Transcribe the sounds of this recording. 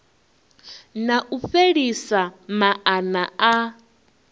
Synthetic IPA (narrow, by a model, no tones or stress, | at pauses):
naʔuɸeɺisamaʔanaa